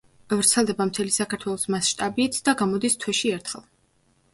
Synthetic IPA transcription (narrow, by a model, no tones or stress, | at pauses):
avɾt̪sʰɛlˠd̪ɛbamt̪ʰɛlisakʰaɾt̪ʰwɛlˠɔsmasʃt̪ʼabiːt̪ʰd̪aɡamɔd̪ist̪ʰwɛʃiɛɾt̪ʰχɛ̰lˠ